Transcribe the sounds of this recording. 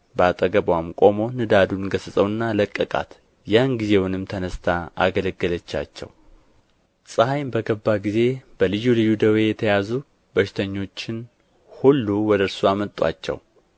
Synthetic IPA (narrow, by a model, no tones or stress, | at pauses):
bat̪ʼəɡəbwamkʼo̞mo̞nɨd̪ad̪unɡəsɨsʼəwɨnːaləkʼːəkʼa̰t̪ | janɡize̞wʊnɨmt̪ʰənəst̪ʰaa̰ɡələɡːələt͡ʃːa̰t͡ʃːɛ̰w | sʼɨhajmbəɡəbːaɡize̞b̥əlɨjulɨjːud̪əwe̞jɛt̪ʰəjazu | bəʃɪ̥t̪ʰəɲːo̞t͡ʃːɪn | hulːuwɔd̪əɾsuamət̪ʼwa̰t͡ʃːɛ̰w